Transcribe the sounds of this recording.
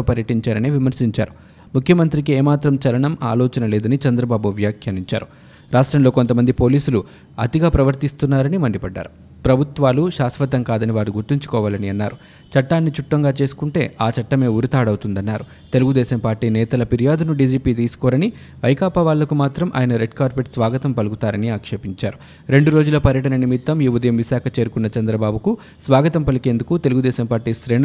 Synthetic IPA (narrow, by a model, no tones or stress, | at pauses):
opɐɾjɐʈiɲt͡ʃaːɾɐniʋimɐɾsiɲt͡ʃa̰ːɾu | mukʰjɐmɐnt̪ɾikieːmaːt̪ɾɐmt͡ʃɐlɐɳɐma̰ːlɔːt͡ʃɐnɐlɛːd̪ɐnit͡ʃɐnd̪ɾɐbaːbuʋjaːkʰjaniɲt͡ʃa̰ːɾu | ɾaːʂʈɾɐmlo̞ːko̞nt̪ɐmɐnd̪ipo̞ːliːsulu | ɐ̰t̪iɡaːpɾɐʋɐɾt̪ist̪unːaːɾɐnimɐɳɖipɐɖːa̰ːɾu | pɾɐbʱut̪ʋaːluʃaːsʋɐt̪ɐŋkaːd̪ɐniʋaːɾuɡuɾt̪iɲt͡ʃu̥kɔːʋaːlɐniɐnːaːɾu | t͡ʃɐʈːaːnːit͡ʃuʈːɐŋɡaːt͡ʃe̞ːsu̥kuɳʈe̞ːaːt͡ʃɐʈːɐme̞ːuɾit̪aːɽɐwt̪und̪ɐnːaːɾu | t̪e̞luɡud̪ɛːʃɐmpaːɾʈiːnɛːt̪ɐlɐpiɾijaːd̪unuɖiːd͡ʒiːpiːt̪̬iːsu̥kɔːɾɐni | ʋɐjkaːpaʋaːlːɐkumaːt̪ɾɐmʔa̰ːjɐnɐɾe̞ɖkaːɾpeʈsʋaːɡɐt̪ɐmpɐliɡut̪aːɾɐniaːkʂɐpiɲt͡ʃaːɾu | ɾe̞ɳɖuɾo̞ːd͡ʒulɐpɐɾjɐʈɐnɐnimit̪ːɐmjuʋɐd̪ɐjɐmʋiʃaːkʰɐt͡ʃe̞ːɾukunːɐt͡ʃɐnd̪ɾɐbaːbʱuku | sʋaːɡɐt̪ɐmpɐlike̞ːnd̪ukut̪e̞luɡud̪ɛːʃɐmpaːɾʈiːʃɾe̞ːn